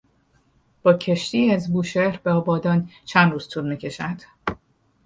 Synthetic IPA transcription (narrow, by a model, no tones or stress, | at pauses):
b̥ɒːcʰe̞ʃt̪iːæzbuːʃeɾbeɒːbɒːd̪ɒːnt͡ʃʰænd̪ruːz̥t̪ʰuːɾmiːcʰe̞ʃænd̪̥